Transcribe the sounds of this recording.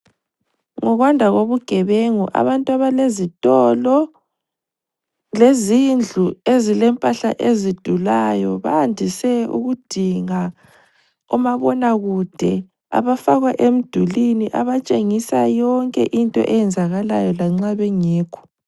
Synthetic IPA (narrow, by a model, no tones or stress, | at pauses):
ŋɔɣwandʱaɣoβuɡ̥ʱɛβeŋuʔa̰βantʼuaβalezitʼɔlɔ | lezind͡ɮʱuezilɛmpʼaɬa̰ʔezid̥ʱulajɔβa̰ːndʱisɛṵɣud̥ʱiŋa | umaβɔnaɣud̥ʱɛ | a̰βafaɣwaʔem̩d̥ʱuliniʔaβat͡ʃʼeŋisajɔŋkʼɛ̰ʔintʼɔ̰ʔɛjɛnd͡zʱaɣala̰jɔlaŋ͡ǁaβɛŋeːkʰɔ̥